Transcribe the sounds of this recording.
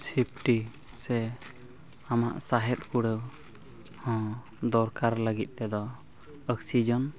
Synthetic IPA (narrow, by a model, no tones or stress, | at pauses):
sʰip̚ʰʈi | sɛ | ama̰ʔsaɦɛt̪̚kuɽəw | hɔ̃ | d̪ɔɾkaɾləɡit̪̚ˀt̪ɛd̪ɔ | əksid͡ʒɔn